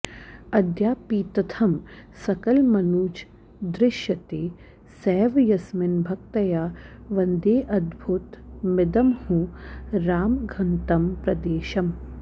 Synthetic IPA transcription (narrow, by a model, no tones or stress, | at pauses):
ɐd̪jaːpiːt̪ɐt̪ʰɐmsɐkɐlmɐnuːt͡ʃ | d̪ɾɪʃjɐt̪eː | sɛːʋjɐsmɪnbʱɐk̚t̪ɐjaːʋɐnd̪eːʔɐd̪bʱut̪mɪd̪ɐmhũɾaːmɡʱɐnt̪ɐmpɾɐd̪eːʃɐm